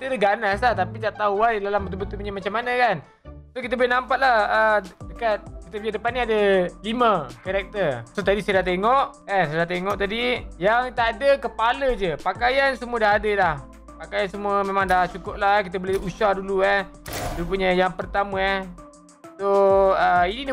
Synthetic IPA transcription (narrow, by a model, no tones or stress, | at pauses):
kit̪ədəɡanaslaht̪apid̪aʔt̪auadidalambənt̪ubət̪upuɲamat͡ʃamːanəkan | sokit̪əbolenampat̪̚lahədəkat̪̚kit̪əbuɲadəpaniadəlimə̃kaɾɛk̚t̪ərsot̪adisaadat̪eŋɔʔkansjadaht̪eŋɔʔt̪adijaŋt̪aadəkəpaləd͡ʒəpakajansəmuədahadəlah | pakajansəmuəmẽmãŋdaht͡ʃukʊp̚lahkit̪əboleusuahduluah | t̪upuɲajaŋpərt̪amə | soəinid